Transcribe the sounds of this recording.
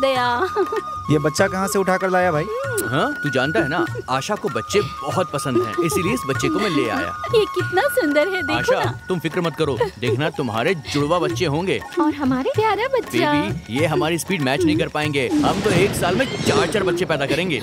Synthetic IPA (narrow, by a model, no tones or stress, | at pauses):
d̪ɐja | jebɐtːʃakɐɦãseʊʈʰaːkɐɾlaːjabʱaːiːɦãːt̪ud͡ʒãːnt̪aɦɛnaaːʃakobɐtːʃebɔɦɔt̪̚pɐsə̃nd̪ɦɛ̰̃ːɪsilieɪsbɐtːʃekomɪlːea̰ːja̰ːjeːkɪt̪nasʊ̃nd̪əɾɦɛd̪eaːʃat̪ʊmfɪkɾmɐt̪̚kɐɾoːd̪eːkʰnat̪ʊmɦa̰ːɾed͡ʒʊɽʋabɐtːʃeɦõːŋɡeːɔːɾɦɐmaːɾepjaːɾabɐtːʃaijeɦɐmaːɾispiːɖmɛːt͡ʃnɐɦĩkɐɾpaːẽːŋɡeːɦɐmt̪oeːksaːlmẽt͡ʃaːɾt͡ʃəɾbɐtːʃepɛːd̪akɐɾẽːŋɡḛː